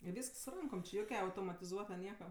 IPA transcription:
ɪ ˈʋʲiːsks sʊ ˈrɐŋkoːm t͡ʃʲɪ ˈjoːkʲɛ ɐʊtoːmɐtʲɪˈzuɔtɐ ˈnʲiɛkɐ

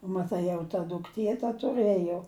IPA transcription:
mɐˈtɐɪ jɛʊ tɐ dʊkˈtʲiɛ tɐ tʊˈrɘjoː

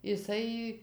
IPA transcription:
ɪˈsɐɪ

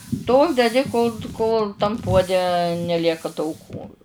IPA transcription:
ˈtoːlˠ dʲɛˈdʲɪ koːlˠ ˈkoːlˠ tɐm ˈpuɔdʲɛ nʲɛˈlʲiɛkɐ tɐʊˈkuː

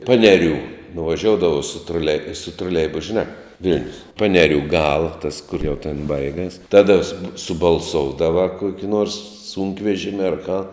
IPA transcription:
ˈpɑːnʲɛˌrʲuː nʊʋɐˈʒʲoːʊdɐʋɐʊ sʊ troːˈlʲɛɪ troːˈlʲɛɪbʊs ʒʲɪˈnɑː ˈʋʲɪlʲnʲʊs ˈpɑːnʲɛrʲuː ˈɡɑːlˠɐ tɐs kʊr jɛʊ tʲeːn ˈbɐɪɡɐs ˈtɑːdɐ sʊp sʊbɐlˠˈsoːʊdɐʋɐ ˈkuɔkʲɪ nuɔrs ˈsuːŋkʋʲɛʒʲɪmʲɪ ɐr kɑː

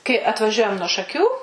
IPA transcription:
kɐɪ ɐtʋɐˈʒʲuɔjɛm nuɔ ʃɐˈkʲuː

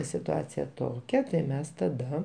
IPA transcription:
sʲɪtʊˈɑːt͡sʲɪjɛ ˈtoːkʲɛ tɐɪ ˈmʲɛs tɐˈdɐ

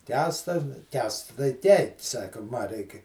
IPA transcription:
ˈkʲæːstɐ nʊ ˈkʲæːsts tɐɪ ˈtʲɛɪ ˈsɑːkɐ ˈmɐ ˈrʲɛɪkʲɪ

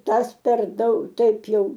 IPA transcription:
ˈtɐs pʲɛr ˈdɐʊk ˈtɐɪp ˈjɛʊ

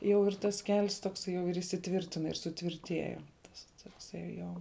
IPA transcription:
ˈjɛʊ ɪr tɐs kʲɛlʲs toːkˈsɐɪ jɛʊ ɪr iːsʲɪˈtʲʋʲɪrʲtʲɪnɐ ɪr sʊˈtʲʋʲɪrʲtʲiɛjɛ tɐs toːkˈsɐɪ ˈjoː

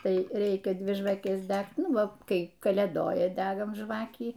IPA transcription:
ˈtɐɪ ˈrʲɛɪkʲɛ ˈdʲʋʲɪ ʒʋɐˈkʲɛs ˈdʲækt ˈnʊ ˈʋɐ ˈkɐɪ kɐlʲeːˈdoːjɛ ˈdʲæːɡɐm ˈʒʋɑːkʲiː

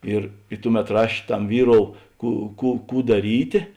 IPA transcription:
ˈɪr ɪ ˈtʊˌmʲɛt ˈrɐʃʲ ˈtɐm ˈʋʲiːˌroːʊ ˈkuː ˈkuː ˈkuː dɐˈrʲiːtʲeː

